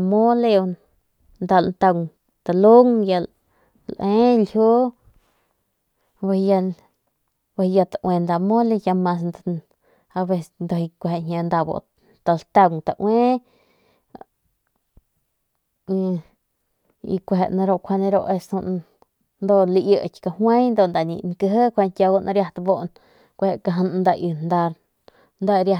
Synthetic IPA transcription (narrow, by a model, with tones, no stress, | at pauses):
mo˦le˧ | nd̪a˧lnt̪a˧ŋ | t̪a˨lo˦ŋja˧l | lʔe˦ljo˦ | ba˧ja˧ | ba˧ja˧t̪a˨ʔwe˧nd̪a˧mo˦le˧ja˧ma˧s̬n | a˧be˧snd̪o˧i˧kʷe˨e˨ɲʲa˧nd̪a˧bo̰˨ | t̪a˧lt̪a˧ŋt̪a̰˧ʔwe˦ | ḭ˧kʷe˧ɦe˨ʔnã˧ɾo˧ʔkʰʷa˧ne˧ɾo̰˧ʔe˧su˧ | nd̪o˧ʔli˧jə˧˨kʲka˧hwe˦jnd̪o˧nd̪a˧˨nḭ̃˧˨ŋkə˧ɦə˦kʷe˧nkʲja˧bo˧na˧ɾja˧t̪a˧bo˦ʔn | kʷe˧he˧˨ka˧ɦə˧nnd̪a˧ʔi˧nd̪a˧ɾ | nd̪a˧ɾja˧